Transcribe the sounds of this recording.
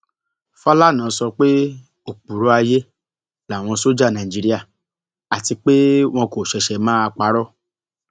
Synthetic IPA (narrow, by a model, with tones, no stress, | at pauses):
fɔ˦la˦˨nãː˨˦˧sɔ˧k͡pe˦ | o˨k͡pu˨ɾo˦a˧je˦ | la˨w̃ɔ̃˧so˦d͡ʒa˦˨nã˨d͡ʒi˨˧ɾi˦a˦˨ | a˨ti˧k͡pe˦w̃ɔ̃˧ko˨ʃɛ˧ʃɛ˧mãː˦a˧k͡pa˨˦ɾɔ˦˨